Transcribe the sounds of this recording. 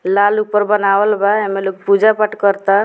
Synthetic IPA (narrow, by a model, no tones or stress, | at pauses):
laluk̚pəɾbənawəlbaɦemelok̚pud͡ʒapəʈkəɾt̪a